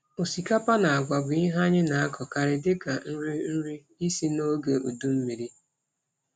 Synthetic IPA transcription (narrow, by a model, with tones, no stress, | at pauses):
o˨si˨ka˦pa˦na˨a˨ɡʷa˨bʊ˨i˦ɦa˦ɲɪ˦na˨a˦kɔ˨ka˨ɾɪ˨dɪ˦ka˨n̩˦ɾi˦n̩˦ɾi˦ | i˦si˦no˦ɡe˨o˨du˦m̩˦mi˨ɾi˦